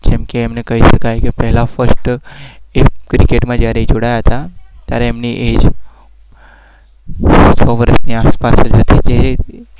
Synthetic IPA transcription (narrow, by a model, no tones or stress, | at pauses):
d͡ʒɛmkeːmnekəɦiʃəkajkepɛɦlafəɾsʈ | ekɾikeʈmãd͡ʒjaɾed͡ʒoɽajaɦət̪at̪jaɾeːmniʔed͡ʒ | t͡ʃʰɔʋəɾəʃniaspasəd͡ʒɦət̪it̪e